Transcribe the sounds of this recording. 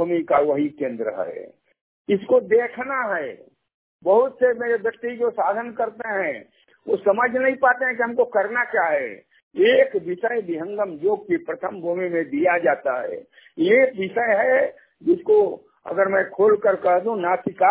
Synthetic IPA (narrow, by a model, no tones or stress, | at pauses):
bumikaʋəɦikẽːnd̪ɾə̰ɦɛ̰ | ɪskod̪eːkʰnaɦɛ | bəɦʊt̪semeːɾebjək̚t̪id͡ʒosaːd̪ʱənkəɾt̪eɦɛ̃ | ʋosɐməd͡ʒʱnɐɦĩpaːt̪eɦɛ̃k̬iɦəmkokəɾnakjaɦɛ | eːkʋɪʃəẽbɪɦə̃ŋɡəmd͡ʒoːɡ̚kipɾət̪ʰəmbʱuːmimẽd̪ijad͡ʒaːt̪aɦɛ̰ː | eːk̚ʋɪʃəeɦɛ | d͡ʒɪsko | ə̰ɡəɾmɛ̃kʰoːlkəɾkəɦd̪ũnaːt̪ʰɪka